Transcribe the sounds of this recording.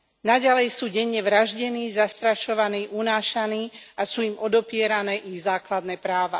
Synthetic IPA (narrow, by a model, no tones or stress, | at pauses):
naɟalɛjsuːɟɛɲːɛʋɾaʒɟɛniːzast̪ɾaʃɔʋaniːʔunaːʃaniːasuːimɔd̪ɔpɪɛɾanɛːʔiɣzaːklad̪nɛːpɾaːʋa